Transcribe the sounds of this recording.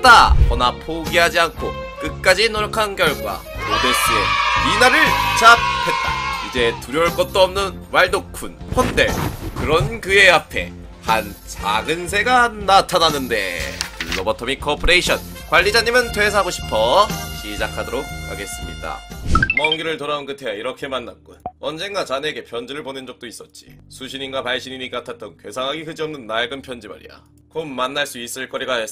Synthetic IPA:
t͈apʌnapʰoɡiɦad͡ʑiankʰo | kɯk̚k͈ad͡ʑinoɾʌkʰankjʌɭɡwa̰ | oɡos͈ɯjo̰inaɾɯɭt͡ɕap̚ʰet̚t͈a̰id͡ʑe̞tuɾjʌɯɭk͈ʌt̚t͈oʌmnɯnwaɭdokʰunɸʌnt͈e̞̰kɯɾʌnkɯeapʰe̞̰ | hant͡ɕa̰ɡɯns̬ʰe̞ɡanatʰananːɯnde̞̰kɯɭːobʌtʰʌmikʰʌpʰoɾe̞iɕʰʌn | kwaʎːid͡ʑaɲimɯntwe̞sʰʌɦaɡoɕʰi̥pʰʌɕʰid͡ʑakʰadoɾok̚haɡe̞s͈ɯmɲḭda̰mʌŋɡiɾɯɭtoɾaonkɯtʰe̞jaiɾʌkʰe̞manːa̰k̚k͈onʌnd͡ʑe̞nɡat͡ɕane̞ɡe̞pʰjʌnd͡ʑiɾɯɭponɯnd͡ʑʌk̚t͈ois͈ʌt̚t͡ɕ͈i̥̰sʰuɕʰininɡwapaɭɕ͈ʰiɲiɲik͈atʰat̚t͈ʌnkwesʰaŋɦaɡikɯd͡ʑiʌmnɯnːaɭɡɯnpʰjʌnd͡ʑima̰ɾḭa̰ | komːanːaɭs͈uis͈ɯɭk͈ʌɾiɡae

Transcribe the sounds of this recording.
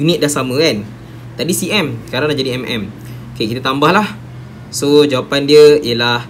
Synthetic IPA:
unit̪̚dahsamə̃kan | t̪adisiʔɛmskaɾaŋlaʔd͡ʒadiɛmɛ̰m | kakit̪at̪ambahlah | sod͡ʒawapandiəijəlah

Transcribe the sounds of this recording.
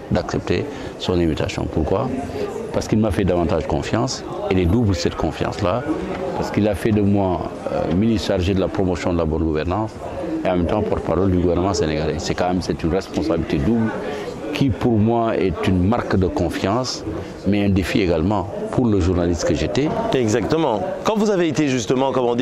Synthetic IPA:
d̪aksɛp̚t̪ḛ | sɔ̃nimit̪a̰sjɔ̰̃puɾkwapaɾsə̥kilmafɛdavɑ̃ntaʒdəkɔ̰̃fjɑ̃s | ɛlɛdublsɛtkʰɔ̃fjɑ̰̃slapaɾsə̥kilafɛdəmwa̰minisaɾʒed̪əlapɾomosjɔ̃d̪əlabɔnɡuvɛɾnɑ̃ːs | eɑ̃mɛmt̪ɑ̃pɔɾt̪̚paɾɔld̪yɡuvɛɾnəmɑ̃seneɡalɛsɛkãmɛmsɛt̪ynʁɛspɔ̃sabilit̪edubl | kʰipuɾmwaɛ̰t̪ynmaɾkd̪əkɔ̃fjɑ̃s | mɛɛ̃d̪efieɡalmɑ̃ | pʰuɾləʒuɾnalist̪kəʒet̪ɛɛɡzak̚t̪əmɑ̃kɑ̃vuzaveːt̪eʒyst̪əmɑ̃kɔmɔ̃d̪

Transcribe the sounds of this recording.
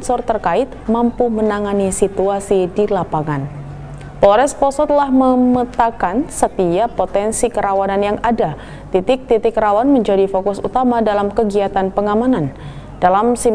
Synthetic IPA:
nsɔrt̪ərkaɪt̪̚mampumənaŋanisit̪uasidilapaŋan | pɔɾɛspɔsɔt̪̚lahməmət̪akansət̪iapot̪ɛnsikəɾawananjaŋada | t̪it̪ɪk̚t̪it̪ɪkɾawanməɲd͡ʒadifokʊsut̪amadalamkəɡiat̪anpəŋamanan | dalamsim

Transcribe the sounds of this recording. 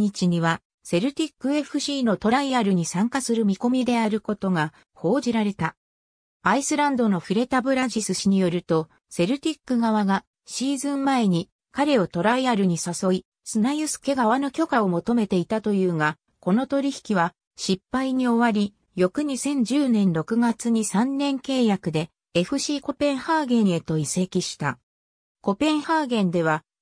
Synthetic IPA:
ɲit͡ɕiɲ̟iβ̞a | se̞ɾɯ̟t̪ʲikːɯ̟e̞ɸɯ̟ɕiːno̞t̪o̞ɾaiaɾɯɲ̟isãŋkasɨɾɯ̟mʲiko̞mʲid̪e̞aɾɯ̟ko̞t̪o̞ɡa | ho̞ːʑiɾaɾe̞t̪a | aisɨɾãnd̪o̞no̞ɸɯ̟ɾe̞t̪abɯ̟ɾaʑisɨɕiɲ̟ijo̞ɾɯ̟t̪o̞ | se̞ɾɯ̟t̪ʲikːɯ̟ɡaβ̞aɡa | ɕiːzɨ̃mmae̞ɲ̟i | kaɾe̞o̞t̪o̞ɾaiaɾɯ̟ɲ̟isaso̞i | sɨnajɯsɨ̥ke̞ɡaβ̞ano̞kʲo̞kao̞mo̞t̪o̞me̞t̪e̞it̪at̪o̞jɯ̟ːŋa | ko̞no̞t̪o̞ɾʲiçi̥kʲiβ̞a | ɕipːaiɲ̟io̞βaɾʲi | jo̞kɯ̟ɲ̟isẽ̞ɲ̟d͡ʑɨːnẽ̞nɾo̞kɯ̟ɡat͡sɨɲ̟isãnːẽ̞ŋke̞ːjakɯ̟d̪e̞ | e̞ɸɯ̟ɕiːko̞pẽ̞ɰ̃haːɡẽ̞ɰ̃e̞t̪o̞ise̞kʲiɕi̥t̪a | ko̞pẽ̞ɰ̃haːɡẽ̞nd̪e̞β̞a

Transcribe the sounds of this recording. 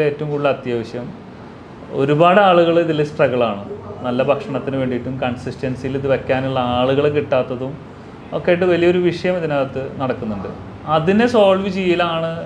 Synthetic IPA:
eeːtːɐʋumkuːɭːɐːt̪jɐʋɐɕjɐm | o̞̰ɾubaːɽaːɭuɣɐɭiðilːesʈrɐɣɐɭaːɳɨnɐlːɐbʱɐkʂɐɳɐt̪ːinɨʋeːɳɖiʈːumkɐɳsistɐnsijiliðɨʋekʲːaːnuɭːɐaːɭuɣɐɭekiʈːaːt̪ːɐðum | o̞kːejʈ̬ːɨʋɐlijɐoɾuʋiʂɐjɐmiðinaːɐt̪ːɨnɐɽɐkːunːuɳɖɨ̰ | ɐðinesoːlʋit͡ɕijːilaːɳɨ

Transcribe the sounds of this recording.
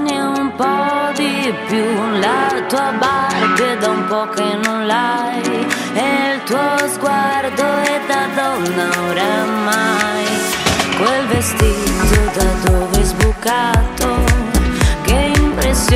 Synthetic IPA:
naumpɔd̪ipjulat̪uːabaɾbed̪aumpɔkenːõnla | j | ɛlt̪uɔzɡward̪oɛd̪ad̪ɔnːaoɾamːajkwelvest̪it̪od̪ad̪ovezbukːat̪o | keimpɾesːj

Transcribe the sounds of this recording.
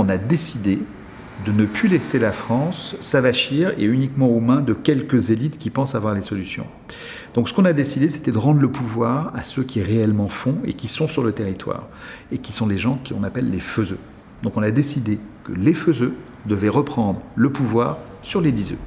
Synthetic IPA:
ɔ̃nad̪esid̪e | d̪ənəplyleselafχɑ̃sːavaʃiʁḛynikmɑ̃omɛ̃d̪əkʲɛlkəzelit̪kʲipɑ̃savwaʁlesɔlysjɔ̰̃ | d̪̥ɔ̃ksə̥kɔ̃nad̪esid̪ese̥t̪ɛd̪əʁɑ̃d̪ʁləpuvwaʁasøkʲiʁeɛlmɑ̃fɔ̃ḛkʲisɔ̃syʁlət̪eʁit̪wa̰ːʁ | ekʲisɔ̃leʒɑ̃kʲiɔ̃napɛlːeføzø | d̪̥ɔ̃kɔ̃nad̪esid̪ekəleføzø | d̪əvɛʁəpχɑ̃d̪ʁləpuvwaːʁ | syʁled̪izø̰

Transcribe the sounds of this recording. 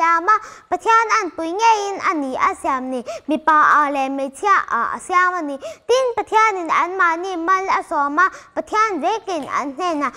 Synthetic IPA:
amapət̪ʰiananpujŋɛjinʔaniʔasiamnimipaʔalɛmejt͡sʰiaʔa̰siamanit̪inpət̪ʰianinanmanimɐlasɔmapət̪ʰianzekina̰nn̥ɛnːa

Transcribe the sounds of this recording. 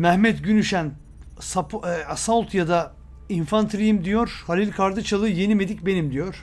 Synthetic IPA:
mæhmɛt̪ɟynyʃæn | sapasalˠt̪ʰjad̪a | infant̪ʰɾijimd̪ijo̞ɾ̥halʲilʲkʰaɾd̪ɯt͡ʃʰalˠɯje̞nime̞d̪ic̚be̞nimd̪ijo̞ɾ̥

